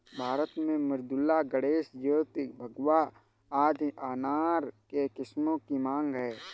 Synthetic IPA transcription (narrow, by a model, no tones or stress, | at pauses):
bʱaːɾət̪mẽmɪɾd̪ʊlːaɡəɽeːʃjoːt̪ɪbʱəɡwa | aːd͡ʒ̪aːnaːɾkekɪsmõkimãːŋɡɦɛeː